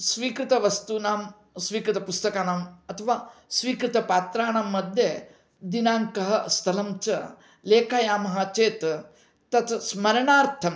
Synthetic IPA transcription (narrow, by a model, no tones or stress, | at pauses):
sʋiːkɾɪt̪ɐʋɐst̪unaːm | sʋiːkɾɪt̪ɐpust̪ɐkaːnaːmɐt̪ʰɐʋaːsʋiːkɾɪt̪ɐpaːt̪ɾaːɳaːmːɐd̪ʱje | d̪inaːŋkɐɦɐst̪ʰɐlɐmt͡ʃɐ̰ | leːkʰajaːmɐɦɐt͡ʃeːt̪ | t̪ɐt̪smɐɾɐɳaːɾt̪ʰɐm